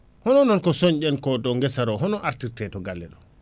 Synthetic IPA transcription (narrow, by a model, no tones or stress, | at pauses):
hɔnɔnɔnkɔsoɲɟɛnkɔdɔŋɡɛsaɾɔɦɔnɔʔaɾtiɾtɛtɔɡalːɛ̰ɗɔ